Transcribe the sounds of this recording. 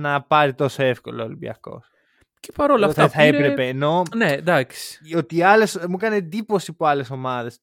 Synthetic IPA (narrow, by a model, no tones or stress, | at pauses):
nɐpɐɾit̪o̞soefko̞̰lolḭbjɐ̰ko̞̰s | ce̥pɐɾolɐft̪ɐθɐepɾepe̞ːno̞ned̪ɐksi̥ot̪iɐlesmukɐned̪ipo̞sipuɐleso̞mɐðe̞s